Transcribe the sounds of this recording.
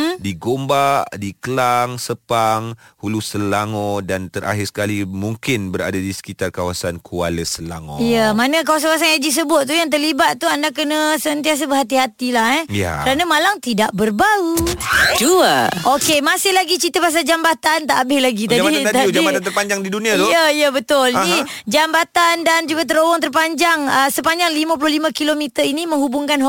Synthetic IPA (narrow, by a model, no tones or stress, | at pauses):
diɡombaʔdikəlaŋsəpaŋhulusəlaŋɔ̃dant̪əɾʔa̰ɦɪrsə̥kalimuŋkɪnbəɾa̰dadisə̥kit̪arkawasankʰualəsəla̰ŋɔ̰ijəmanə̃kawasankawas̬anad͡ʒis̬əbʊt̪̚t̪ːujaŋt̪̬ərlibat̪̚t̪ːuandak̬ənə̃sənt̪ias̬əbəɦat̪iɦat̪ilahɛja̰əɾanəmalaŋt̪idaʔ̚bərbaɾut͡ʃuaʔokemasɪhlaɡit͡ʃit̪əpas̬ad͡ʒambat̪ant̪aʔːbɪhlaɡit̪adit̪add͡ʒaiat̪at̪ərpaɲd͡ʒaŋdidunĩajəijəbət̪ʊli | d͡ʒambat̪andand͡ʒuɡat̪̬əɾowɔŋt̪ərpaɲd͡ʒaŋəsəpaɲd͡ʒaŋlimə̃p̬ulʊhlimə̃kilomit̪əinimə̃ŋhubʊŋkanɦ